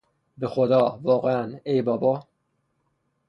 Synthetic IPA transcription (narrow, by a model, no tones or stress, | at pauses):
bexod̪ɒːvɒːɣeænejbɒːbɒː